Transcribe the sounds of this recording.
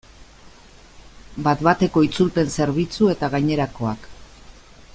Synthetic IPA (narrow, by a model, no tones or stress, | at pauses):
bat̪βat̪e̞ko̞it͡sulpe̞nse̞ɾβ̞it͡sue̞t̪aɣaɲe̞ɾako̞ak